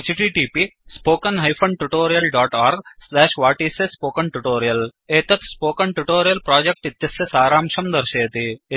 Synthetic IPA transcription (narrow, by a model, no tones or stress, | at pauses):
t͡ʃiʈiːʈiːpispoːkɐnɦɐjfʰɐɳɖʈuʈoːɾijɐlɖaːʈaːɾɡslɛːʃʋaːʈiːsɐspoːkɐɳʈuʈoːɾijɐleːt̪ɐt̪spoːkɐnʈuʈoːɾijɐlpɾaːd͡ʒek̚ʈit̪jɐsjɐsaːɾaːmʃɐmd̪ɐɾʃeːt̪i